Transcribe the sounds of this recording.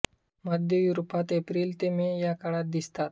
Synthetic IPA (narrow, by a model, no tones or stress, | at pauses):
məd̪ʱjəʋuɾupat̪epɾiːlt̪emejakaɽat̪̚d̪ist̪at̪̚